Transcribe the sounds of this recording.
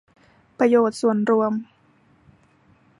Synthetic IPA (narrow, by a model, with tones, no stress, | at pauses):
pɾa˧joː˨˩t̪̚su˨˩ənɾu˧əm